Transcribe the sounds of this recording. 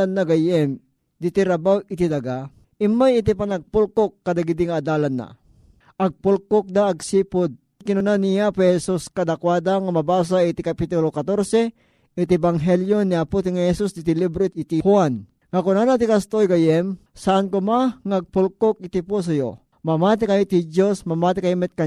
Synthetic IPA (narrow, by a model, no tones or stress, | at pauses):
anːaɡajɛm | d̪ɪt̪iɾabawɪt̪id̪aɡa | ʔɪmːajɪt̪ipanɐɡ̚pʊlkokːad̪aɡɪd̪ɪŋaːd̪aːlanːa̰ | ʔɐɡ̚pʊlkok̚d̪aːɡsiːpʊd̪̚ | kɪnʊnanijapɛhɛsuskad̪akwaːd̪aŋamɐbaːs̬ait̪ɪkapit̪ʊlokat̪oɾsɛ | ʔɪt̪ɪbaŋɦɛljoniaput̪ɪŋahɛsusd̪ɪt̪ɪlibɾoɪt̪ihwan | ŋakʊnanat̪ɪkast̪ojɡajɛm | saʔankʊmaŋaɡ̚pʊlkok̚ɪt̪ɪpos̬ɐjo̰ | mɐmaːt̪̬ɪkajɪt̪id͡ʒosmɐmaːt̪ɪkaimɛt̪̚ka